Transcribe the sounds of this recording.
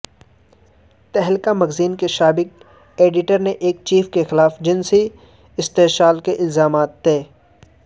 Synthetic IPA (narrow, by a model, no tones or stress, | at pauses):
t̪ɛɦlkamɐɡziːnkeʃaːbɪk̚ | eːɖɪʈəɾneʔeːk̚t͡ʃiːfkexɪlaːfd͡ʒɪnsi | ɪst̪eːʃaːlkeʔɪlzaːmaːt̪ːeː